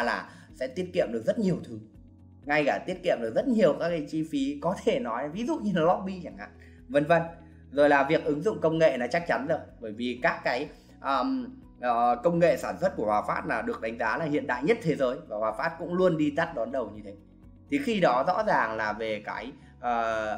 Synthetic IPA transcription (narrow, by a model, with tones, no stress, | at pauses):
laː˨˩ | sɛ̰˧˥t̪i˦˥ət̚kḭ˧˨əmɗɨ˨˩ək̚zə˦˥t̚ɲi˨˩əwt̪ʰɨ˨˦ŋ | ŋa˧jkaː˧˩t̪i˦˥ət̚kḭ˧˨əmɗɨ˨˩ək̚zt̚ɲi˨˩əwkaː˦˥kːaː˨˦t͡ɕi˧fi˨˦kɔ˨˦t̪ʰe˧˩nɔ˨˦jvi˨˦zṵ˧˨ɲɨ˧laː˨˩lɔ˦˥ɓi˧t͡ɕa˧˩ŋha̰˧˨ | və˧˩nvə˧˩n | zo˨˩jlaː˨˩vi˨˩ək̚ʔɨ˨˦ŋzʊ̰˧˨ŋ͡mkə˧wŋ͡mŋḛ˧˨nɔ˨˦t͡ɕa˦˥k̚t͡ɕa˨˦nzə˨˩jɓəː˧˩jvi˨˩kaː˦˥kːaː˨˦j | ʔəː˨˩m | ʔəː˨˩kə˧wŋ͡mŋḛ˧˨saː˧˩nswə˦˥t̚ku˧˩hwaː˨˩faː˦˥t̚laː˨˩ɗɨ˨˩ək̚ɗa˨˦ŋ̟zaː˨˦laː˨˩ɦḭ˧˨ənɗa̰ː˧˨jɲə˦˥t̚t̪ʰe˨˦zəː˨˦jvaː˨˩hwaː˨˩faː˦˥t̚kʊ̰˧˥ŋ͡mlu˧ənɗi˧t̪a˦˥t̚ɗɔ˨˦nɗə˨˩wɲɨ˧t̪ʰe˨˦ | t̪ʰi˨˩xi˧ɗɔ˨˦zɔ̰˧˥zaː˨˩ŋlaː˨˩ve˨˩ka̰ː˨˦j | ʔəː˨˩